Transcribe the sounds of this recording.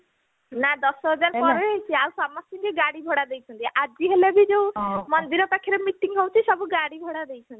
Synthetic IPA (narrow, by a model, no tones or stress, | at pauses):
nad̪ɔsɔɦɔd͡ʒaɾpɔɾeɦejt͡ʃʰiausamɔsiŋɡeɡaɽibʱɔɽad̪ejt͡ʃʰɔnt̪iʔad͡ʒiɦelebid͡ʒeũmɔnd̪iɾɔpakʰːiɾemiʈiŋɦowt͡ʃʰisɔbuɡaɽibʱɔɽad̪ejt͡ʃʰɔnt̪i